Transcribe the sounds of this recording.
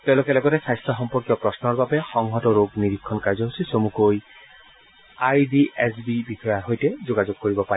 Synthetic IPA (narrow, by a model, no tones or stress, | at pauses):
tɛʊ̃lʊkɛlɔɡɔtɛsajstɹɔxɔmpɔɹkijɔpɹɔsnɔɹbabɛxɔŋɦɔtɔɹoɡniɹikʰːɔnkaɹzɔɦosisomukoj | ajdiʔɛsbibixɔjaɦojtɛzoɡazoɡ̚koɹibɔpa